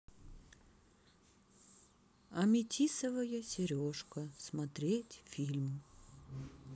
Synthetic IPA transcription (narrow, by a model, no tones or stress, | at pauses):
ɐmʲɪtʲʰisəvəjəsʲɪɾʲoʂkəsmɐt̪ɾʲetʲfʲilʲm